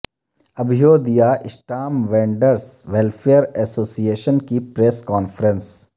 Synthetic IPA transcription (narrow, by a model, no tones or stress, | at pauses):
ɐbʱɪjoːd̪ijaʔɪsʈaːmʋẽːɳɖəɾsʋɛlfʰeːəɾɛsoːsieːʃənkipɾeːskɔːnfʰəɾə̃ns